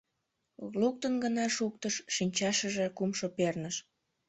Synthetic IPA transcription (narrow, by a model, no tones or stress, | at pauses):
luk̚t̪ənɡənɑʃuk̚t̪əʃːinʲt͡ɕɑʃəʒekumʃopernəʃ